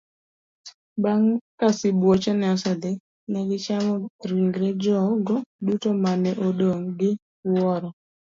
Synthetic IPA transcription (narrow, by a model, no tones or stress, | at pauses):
baŋkasɪbwot͡ʃɔnɛasad̪ɛ | nɛɡɪt͡ʃamɔɾiŋɡɾɛd͡ʒɔɡɔdutomanɛʔodoŋɡɪ | wɔɾɔ